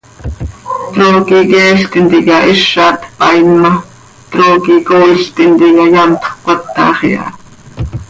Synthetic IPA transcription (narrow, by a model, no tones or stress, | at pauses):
t̪ɾoːkikɛːɬt̪int̪ikɑʔiʃːɑːt̪pɑinmɑ | t̪ɾoːkikoːiɬt̪int̪ikɑjɑmt̪χkʷat̪ːɑ̰ːχiɑ̰